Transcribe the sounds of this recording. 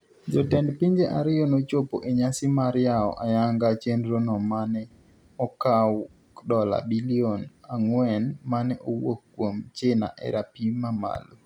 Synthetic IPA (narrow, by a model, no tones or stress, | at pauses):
d͡ʒɔtɛndpiɲd͡ʒeʔaɾɪjonot͡ʃopoʔeɲasɪmaɾjaɔ̰ʔajaŋɡat͡ʃenɾonɔmanɛ | ɔkaw | kdɔla̰bilionaŋwɛnmanɛʔowokːwomt͡ʃena̰ʔɛ̰ɾapimama̰lo